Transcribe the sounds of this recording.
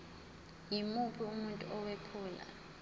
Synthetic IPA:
jimupʰiumuntʼuʔɔwepʰuːla̰

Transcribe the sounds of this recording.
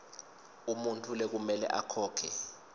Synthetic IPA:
umuntʰulɛk̬umɛlɛ̰ʔa̰kʰɔːkʰɛ

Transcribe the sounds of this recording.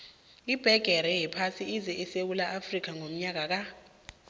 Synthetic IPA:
ib̥ʱɛɡ̥ʱɛɾɛjɛpʰasiizɛʔɛsewulaʔafrik̬aŋom̩ɲak̬ak̬a

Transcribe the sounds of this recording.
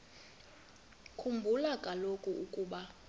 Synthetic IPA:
kʰumbʱulakʼalokʼuukʼuːɓa

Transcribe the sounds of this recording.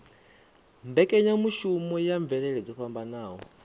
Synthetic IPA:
mbɛkʼɛɲamuʃumɔjaɱvɛɺɛɺɛd͡zɔɸambanaːɦɔ̰

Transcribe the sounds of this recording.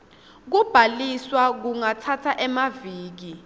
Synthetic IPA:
k̬ub̥ʱaliswak̬uŋatʰatʰaʔɛmaviːk̬i

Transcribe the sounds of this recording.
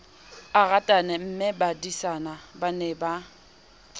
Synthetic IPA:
aɣatʼanɛm̩mɪbadisanabanɛba

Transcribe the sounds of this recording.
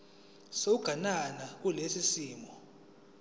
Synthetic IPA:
souɡ̥ʱananak̬ulesisiːmɔ

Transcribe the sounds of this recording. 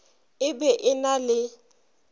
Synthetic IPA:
ɪbɛʔɪnalɪ

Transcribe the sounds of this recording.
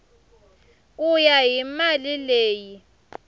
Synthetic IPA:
ujaɦimalileːji

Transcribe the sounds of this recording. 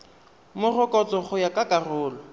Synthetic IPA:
mʊrʊkʼɔt͡sɔχʊjakʼakʼarʊːlɔ

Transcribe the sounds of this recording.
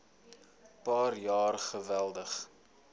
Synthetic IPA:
pɑːrjɑːrχəvælˠdəχ

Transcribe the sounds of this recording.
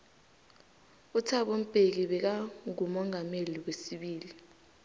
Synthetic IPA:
utʰaɓom̩pʼek̬iɓɛk̬aŋumɔŋʱameliwesiɓiːli

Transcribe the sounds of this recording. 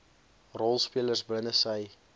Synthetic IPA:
rɔlˠspiələrsblənəsəj

